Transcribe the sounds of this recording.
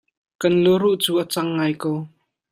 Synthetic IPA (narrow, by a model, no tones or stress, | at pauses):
kɐnluɾuʔt͡suːʔat͡sɐŋːaːjkow